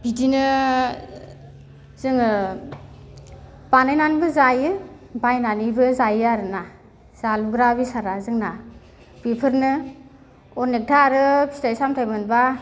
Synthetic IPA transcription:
b̥idinɯ | z̥ɯŋɯ | banajnanibɯzajɯ | bajnanibɯzajaɾɯna | zaluɡɾabisaɾazɯŋna | bipʰɯɾnɯ | ɔnek̚tʰaɾɯpʰi̥tajsamtʰajmɯnba

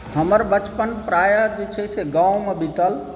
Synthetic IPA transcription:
həməɾbət͡ʃpənpɾajəd͡ʒet͡ʃʰeseɡãwmebit̪əl

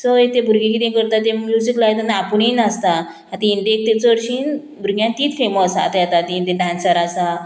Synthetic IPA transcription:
səit̪ebʱuɾɡĩkit̪ẽkəɾt̪at̪emjud͡ziklaɦet̪ənaapəɳinast̪a | at̪ĩiɳɖek̚t̪et͡səɽɕiːn | bʱuɾɡjãnt̪iːt̪feməsa̰t̪ejat̪at̪int̪eɖãnsaɾasa

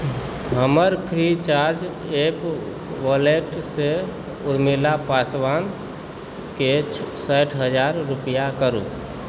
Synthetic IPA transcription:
ɦəməɾpʰɾit͡ʃaɾd͡ʒ | ep | ʋɔleʈse | uɾmilapasʋan | kesəʈʰɦəd͡ʒaɾːupjakəɾṵ

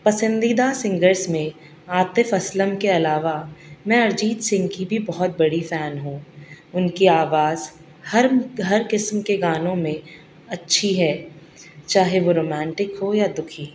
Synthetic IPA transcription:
pɐsə̃nd̪id̪asɪ̃ŋɡəɾsmẽ | aːt̪efɐsləmkeɐlaːʋamɛ̃ɐɾd͡ʒiːt̪sɪ̃ŋɡkibʱibɔɦɔt̪̚bɐɽifɛːnɦũːʊnkiaːʋaːz | hɐɾɦɐɾkɪsmkeɡaːnõmẽ | ɐtːʃʰiɦɛː | t͡ʃaːɦeʋoɾoːmɛ̃ːɳʈɪkɦojad̪ʊkʰiː

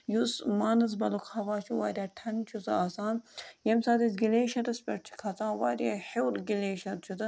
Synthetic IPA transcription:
jusmaːnɐs̬bɐlukʰhɐʋaːt͡ʃʰuwaːɾʲaːʈʰɐnt͡ʃʰusaːsaːnjemsaːd̪isɡileːʃɐɾɐspʲeʈt͡ʃʰi̥kʰɐt͡sãːwaːɾʲehewɾɡileːʃɐt̪̚t͡ʃʰut̪ɐ

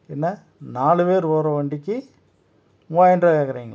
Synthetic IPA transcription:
ɛnːɐ | naːɭɯʋeːɾʋoːɾɐʋɐɳɖɪkʲːɯ | ʋaːjɛnɖɾɐkeːkːɐɾiːŋɡɐ

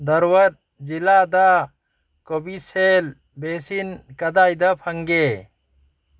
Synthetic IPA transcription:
d̪ɔɾwəɾ̚ | d͡ʒilad̪a | kɔbisɛl | bɛsinkad̪ajd̪apʰaŋɡɛ

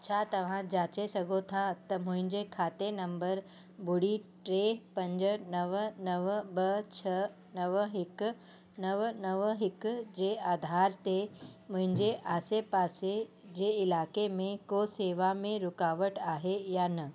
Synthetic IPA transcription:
ɐt͡ɕʰat̪ɐʋ̤ãd͡ʑaːt͡ɕesɐɡʱot̪ʰat̪ɐmʊ̃ɦɪ̃ɲd͡ʑekʰaːt̪enɐ̃mbəɾ | bʊɽiʈɾepɐ̃ɲd͡ʑnɐʋnɐʋbɐt͡ɕʰɐ | nɐʋɦɪk | nɐʋnɐʋɦɪkd͡ʑeaːd̪ʱaːɾt̪ʰemʊ̃ɦɪ̃ɲd͡ʑeʔaːsepaːse | d͡ʑeɪlaːkemẽkoseːʋamẽɾʊkaːʋəʈaːɦejanɐ

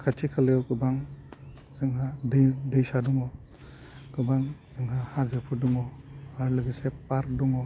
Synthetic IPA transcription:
kʰatʰikʰalejɔɡɯbaŋ | zɯŋɦadɯdɯjsaduŋɔ | ɡ̥ɯbaŋz̥ɯŋɦahazɯpʰuduŋɔaɾlɯɡisepaɾk̚duŋɔ

